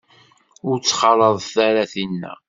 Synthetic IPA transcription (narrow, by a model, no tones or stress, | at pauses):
ʊɾt͡sːχɑɾˤəðˤθæɾæθinːæ̰